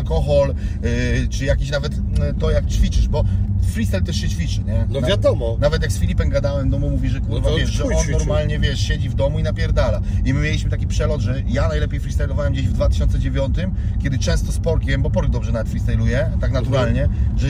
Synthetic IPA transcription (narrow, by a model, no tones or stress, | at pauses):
lkɔxɔl | t͡ʂɘjakʲeɕnavɛt̪ | t̪ɔjak̚t͡ɕfʲit͡ʂɘʂbɔfɾʲist̪ɛlt̪ɛʂɕɛt͡ɕfʲit͡ʂɘɲɛnɔvjad̪ɔmɔnavɛt̪̬jaksfʲilʲipɛmɡad̪awɛmt̪ɔmumuvʲiʐɛkuvavjɛʂʐɛɔnːɔɾmalɲɛvʲjɛʂɕed͡ʑivd̪ɔmuinapʲjɛɾd̪alaimɘmʲelʲiɕmɘt̪akʲipʂɛlɔd̪ʐɛ | janajlɛpʲjejfɾist̪ɛjlɔvawɛmd͡ʑeʑvd̪vat̪ɘ̥ɕɔnt̪sɛd͡ʑevʲjɔnt̪ɘmkʲɛd̪ɘt͡ʂɛ̃w̃st̪ɔspɔɾkʲivʲɛmbɔpɔɾɡ̚d̪ɔbʐɛnavɛt̪fɾist̪ɛjlujɛt̪aknat̪uɾalɲɛʐɛ